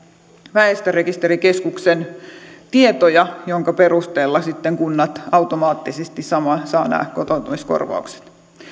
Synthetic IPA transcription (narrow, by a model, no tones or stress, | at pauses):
ʋæest̪øɾekist̪e̞ɾike̞skuksent̪iet̪ojɑjoŋkɑpe̞ɾust̪eːlːɑsit̪ːeŋkunːɑt̪ɑut̪omɑːt̪ːisest̪isɑmɑsɑːnæ̰ːkkot̪ont̪umisko̞̰rʋɑ̰ukse̥t̪